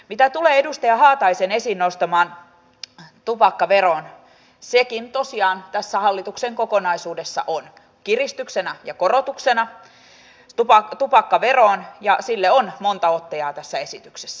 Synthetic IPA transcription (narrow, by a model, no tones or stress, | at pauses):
mit̪æt̪uleːedust̪ɑjɑhɑːt̪ɑisenesinːnost̪ɑmɑːn | t̪upɑkːɑʋeron | sekint̪osiɑːnt̪æsːæhɑlːit̪ukseŋkokonɑisuːdesːɑ̰ʔon | kirist̪yksenɑjɑkorot̪uksenɑ | t̪upɑt̪upɑkːɑʋeroːnjɑsilːeonmont̪ɑot̪ːɑjɑːt̪æsːæesit̪yksesːæ